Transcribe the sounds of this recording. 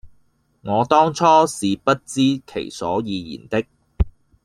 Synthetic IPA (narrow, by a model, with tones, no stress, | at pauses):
ŋɔː˨˧t̪ɔː˥ŋt͡sʰɔː˥siː˨pɐ˥t̚t͡siː˥kʰḛ˨˩jsɔː˨˥jiː˨˧jḭː˨˩nt̪ɪ˥k̚